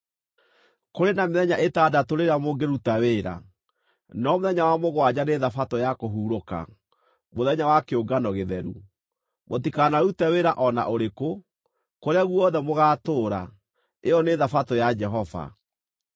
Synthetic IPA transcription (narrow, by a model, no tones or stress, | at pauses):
koɾenameðɛɲaʔetadatoɾeɾamoɡeɾutaweːɾa̰ | nɔmoðɛɲawamoɣwad͡ʑaneðafatojakoɦuːɾoka̰ | moðɛɲawakeoɡanɔɣeðɛɾṵ | motikanaɾutɛweɾaʔɔna̰ʔoɾeko | koɾeaɣuɔðɛmoɣaːtoːɾa | eɔneːðafatojad͡ʒɛɦɔva̰